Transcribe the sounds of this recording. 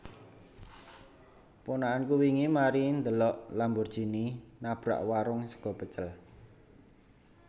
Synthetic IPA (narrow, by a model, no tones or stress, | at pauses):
punaʔankuwiŋimaɾind̪əlɔʔlambʊrd̥ʒ̥i̤ninab̥ɾa̰ʔwaɾʊŋsə̥ɡ̥ɔ̤b̥ə̤t͡ʃəl